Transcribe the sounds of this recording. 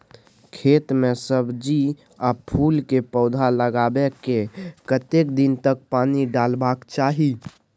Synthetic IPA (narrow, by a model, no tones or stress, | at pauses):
kʰet̪mesəbd͡ʒi | apʰulkepəʊd̪ʱaləɡabekekət̪ekd̪int̪ək̚paniɖalbakt͡ʃaɦi